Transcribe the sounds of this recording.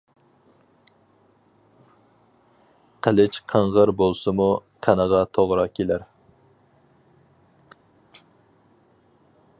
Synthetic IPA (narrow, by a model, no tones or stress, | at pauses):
qʰælɪt͡ʃqʰəɴʁəɾbolˠsɨmuqʰænəʁɑt̪ʰoʁɾɑkʲʰelæɾ